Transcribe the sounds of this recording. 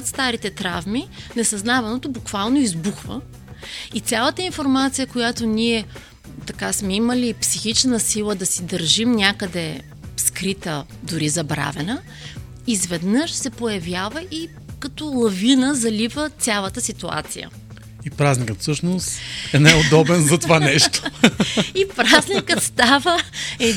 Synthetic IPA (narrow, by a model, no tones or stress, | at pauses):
t̪st̪aɾit̪ɛt̪ɾavminɛsɐznavɐnot̪obukv̥alˠnoizbuxvə̰ | it̪sʲjalˠət̪əinfoɾmat̪sijəkojat̪oniɛ | t̪ɐkasmɛiməlipsixit͡ʃnəsilˠəd̪ɐsid̪əɾʒimnʲakəd̪ɛ | skɾit̪ə | d̪ʊɾizɐbɾa̰vɛnə | izvɛd̪nəʃsɛpojɐvjavəʔi | kɐt̪ɔlˠɐvinəzɐlivət̪sʲalˠət̪əsit̪ua̰t̪sḭjə̰ | ipɾaznikət̪fsɤʃnost̪ɛnajod̪ɔbɛnzɐt̪ovanɛʃt̪o̥ | ipɾaznʲikət̪st̪avəɛ